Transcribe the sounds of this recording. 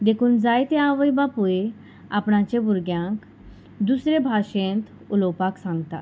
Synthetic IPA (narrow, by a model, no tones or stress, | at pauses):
d̪ekʰuːnd͡zajt̪eãʋəjbapue | apɳat͡ɕẽbuɾɡjãŋk | d̪usɾebʱaɕẽnt̪ | uləwpaksãŋɡt̪a̰